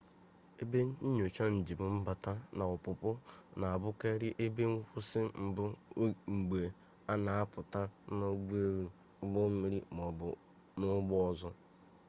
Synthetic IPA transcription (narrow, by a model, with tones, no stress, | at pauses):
e˦be˦ɲ˨o˨t͡ʃa˦n̩˨d͡ʒi˨bʊ˨m̩˦ba˨ta˦na˨ʊ˨pʊ˨pʊ˦na˨a˨bʊ˦ke˦ɾɪ˦ʔe˦be˦ŋ̩˦kʷʊ˦sɪ˦m̩˨bʊ˦ŋ͡m̩˨ɡ͡be˨ | a˦na˨a˦pʊ˨ta˦no˦ɡ͡be˦ɾ | ɡ͡bɔ˦m̩˦mi˦ɾi˦˨ | nʊ˦ɡ͡bʊ˦ɔ˦zɔ˦